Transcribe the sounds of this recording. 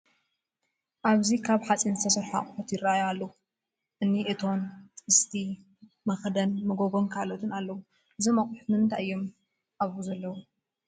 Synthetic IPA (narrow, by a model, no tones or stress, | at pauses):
ʔaβzikʰaβħat͡sʼinzɨt̪ʰɐsɐɾħa̰χʼɨħɔt̪ʰjɪrːajoalːɐhu | ʔɨnːiʔɨt̪ʰo̞nt̪ʼɨst̪ʰi | mɐxd̪ɐnmɨɡoɡo̞nkʰalot̪ʰɨnalːɐwu | ʔɨzɐmɐχʼuħmɨnt̪ʰaʔɨjːom | ʔaβuzɐlːɐwu